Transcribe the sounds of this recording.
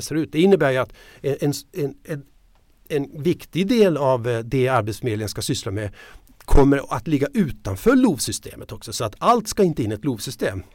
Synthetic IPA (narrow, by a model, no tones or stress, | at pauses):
sɛɾʉ̟ːt̪̚d̪ɛɪnːəbæːɾjɵat̪ɛɛnɛnɛ | ɛnvɪkt̪ɪɡd̪eːlavd̪ɛaɾbet̪smeːd̪ənskasʏslamɛ | kʰɔmːəɾat̪lɪɡːaʔʉ̟ːt̪anfœːɭuːvsʏst̪ʰḛːmət̪ɔksɔsɔat̪alt̪skaɪnt̪əɪnːɛt̪luːvsʏst̪eːm